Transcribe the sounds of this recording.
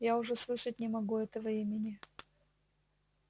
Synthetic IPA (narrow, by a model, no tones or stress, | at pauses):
jaʊʐɛslˠɨʂət̚ʲnʲɪmɐɡuɛt̪əvəimʲɪnʲɪ